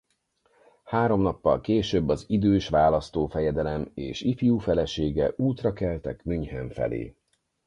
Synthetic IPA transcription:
haːɾo̞mnɒpːɒ̰lkeːʃøːbːɒzid̪øːʃʋaːlɒst̪oːfɛjɛd̪ɛlɛmḛːʃifijuːfɛlɛʃeːɡɛʔuːt̪rɒkɛlt̪ɛkmyɲhɛɱfɛ̰lḛː

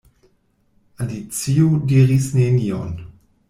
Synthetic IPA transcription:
ʔalit͡siodeʁisneniɔ̰n

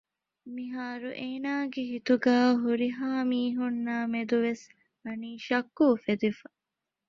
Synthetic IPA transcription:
miɦaːɾuʔeːnaːɡeɦit̪uɡaːɦuɾiɦaːmiːɦunːaːmed̪uʋes | ɐniːʃɐkːuːfed̪ifɐ

